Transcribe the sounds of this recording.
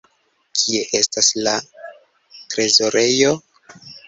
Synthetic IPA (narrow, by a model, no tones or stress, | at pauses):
kʰie̞ʔe̞stasla | tɾe̞zo̞ɾʔe̞jo̞